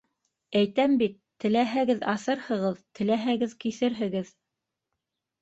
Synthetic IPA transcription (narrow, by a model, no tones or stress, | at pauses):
æjt̪æmbit̪ːɘ̆læɦæɡɘðɑsɤɾhɤ̆ʁɤðt̪ɘ̆læɦæɡɘðkiθɘɾɦɘ̆ɡɘð